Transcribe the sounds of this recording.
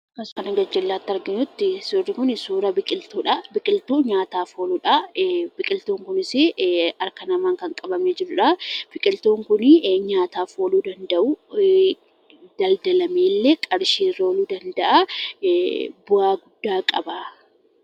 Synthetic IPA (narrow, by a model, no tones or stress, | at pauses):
kɐskɐnɐɡɐd͡ʒɛlːaːt̪ːɐɾɡɪɲʊt̪ːɪsorːɪkʊnɪsuːɾɐbɪkʼɪlt̪uːᶑɐbɪkʼɪlt̪uːɲaːt̪aːfoːluːᶑɐbɪkʼɪlt̪oːŋkʊnɪsɪɐɾkɐnɐmaːŋkɐŋkʼɐbɐmeːd͡ʒɪɾʊᶑɐfɪkʼɪlt̪oːŋkʊnɪɲaːt̪aːfoːluːd̪ɐnd̪ɐʔuː | d̪̥ɐld̪ɐlɐmeːlːɛkʼɐɾʃiːɾɐluːd̪ɐnd̪ɐʔa | bʊaːɡʊd̪ːaːkʼɐba